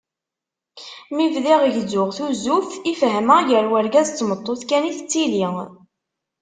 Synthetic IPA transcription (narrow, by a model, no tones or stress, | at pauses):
mivðiʁəʝzʊʁθuzufifɦəməʝəɾwæɾɡæzt͡sːmət̪ˤːoθkæniθt͡sːili